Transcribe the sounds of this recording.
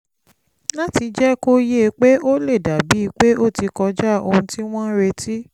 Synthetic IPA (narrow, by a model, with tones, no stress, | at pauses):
la˦ti˨˧d͡ʒɛ˦ko˦je˦˨˧k͡pe˦o˦le˦˨da˨bi˨˦i˧k͡pe˦o˦˨ti˨˧kɔ˧˦d͡ʒa˦˨o˧hũ˧ti˦w̃ɔ̃˦ɾe˧tʰi˦